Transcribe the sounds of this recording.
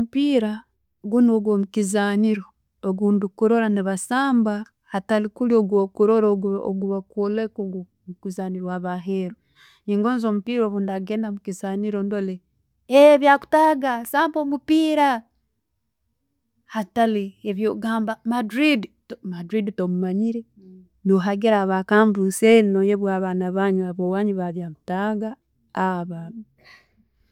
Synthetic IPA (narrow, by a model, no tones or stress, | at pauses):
omupiːɾa | ɡunoɡwomukizaːniɾoː | ɡuːndukuɾo̞ɾaniβasaːmba | hatalikulioɡokuɾoɾoo̰ɡuβakolekoɡo | mukizaːniɾwaβaɦeɾo | iŋɡoːnzoːmupiːɾoβundaɡenamukizaːniɾondole | eβjaku̥taɡasaːmpomupiːɾa | hatalieβjoɡaːmbamadɾiditomadɾiditomumaɲiɾe | noɦaɡiɾaβakaːmbusenojeβwaːβanaβaɲuaβowaːɲuβaβjaku̥taːɡaː | βama